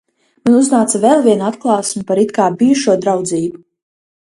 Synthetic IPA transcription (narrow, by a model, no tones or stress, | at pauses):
manuznaːt̪savɛlˠviɛnuat̪klˠɑːsmupaɾit̪kaːbijuʃuɔd̪ɾawd̪ziːbu